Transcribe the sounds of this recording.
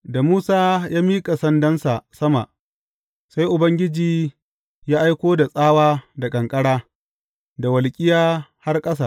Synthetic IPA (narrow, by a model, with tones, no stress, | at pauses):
da˨muː˦saː˦jaː˦miː˦kʼa˨sɐ˦ndɐ˦nsa˨ʔsɐ˦ma˨ʔ | sa˦jʔʊ˨bɐ˦ŋɡʲɪ˦d͡ʒiː˨ | jaː˦ʔa˦jkʷoː˦da˨sʼaː˦waː˦da˨kʼɐ˨ŋkʼɐ˦ɽaː˦ | da˨wɐ˨lkʲʼɪ˦jaː˦ha˦rkʼɐ˦sa̰˨ʔ